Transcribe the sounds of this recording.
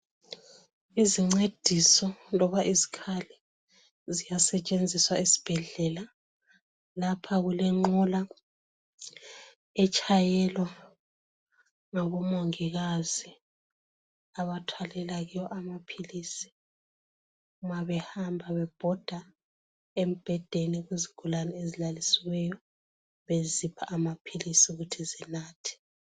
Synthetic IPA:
iziŋ͡ǀed̥ʱisɔlɔβaʔizi̥kʰalɛ | zijasɛt͡ʃʼend͡zʱiswaisi̥b̥ʱɛɮɛla | lapʰaɣulɛŋ͡ǃula | ɛt͡ʃʼajɛlwa | ŋaβɔmoŋiɣazi | aβatʰwalɛlaɣijɔʔamapʰilisi̥ | umaβɛhambʱaβɛb̥ʱɔd̥ʱa | em̩b̥ʱɛd̥ʱeniɣuziɡ̥ʱulanɛezilalisiwɛjɔ | βezipʰa̰ʔːmapʰilisiuɣutʰizinaːtʰi̥

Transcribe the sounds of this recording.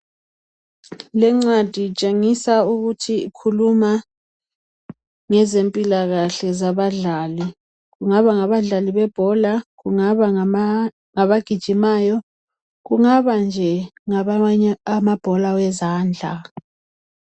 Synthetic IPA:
lɛŋ͡ǀad̥ʱit͡ʃʼeŋisauɣutʰiikʰuluma | ŋɛzempʼilaɣaɬɛzaβaɮaːli | ɣuŋaβaŋaβaɮaliβɛb̥ʱɔlaɣuŋaβa | ŋaβaɡ̥ʱid̥ʒ̥ʱimaːjɔ | ɣuŋaβand͡ʒʱɛŋaamab̥ʱɔlawɛzaːnd͡ɮʱa̰

